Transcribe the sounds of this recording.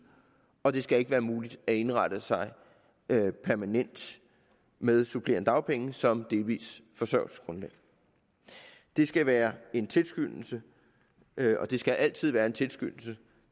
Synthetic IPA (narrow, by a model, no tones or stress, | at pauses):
ɒ̽d̥e̝sɡ̥æe̝ɡəʋæːɐmuːlid̥æe̝nʁɑd̥əsɑ̈ɪ | pʰæɐmænen̰d̥ | meðˠsupʰle̝ːɐnəd̥ɑ̈ʊpʰeŋəsɒ̽md̥e̝lʋḭːsfɒ̽sɶɐ̰ʊsɡ̥ʁɔ̽nlɛ̰ː | d̥e̝sɡ̥æʋæːɐe̝nt͡sʰe̝lsɡ̥yn̰l̩sə | ɒ̽d̥e̝sɡ̥æʔæl̰t͡sʰið̞̰ˠæːɐe̝nt͡sʰe̝lsɡ̥yn̰l̩sə